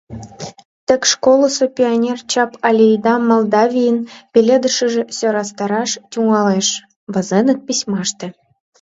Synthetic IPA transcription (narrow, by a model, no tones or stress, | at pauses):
t̪ə̆kʲʃkolˠə̆sopʲionʲert͡ɕɑpɑlʲejd̪ɑmolˠd̪ɑvʲijənpʲelʲed̪ə̆ʃə̆ʒĕsʲøɾɑst̪ɑɾɑʃtʲuŋɑleʃ | βə̆zenə̆k̪̚pʲisʲmɑʃt̪ĕ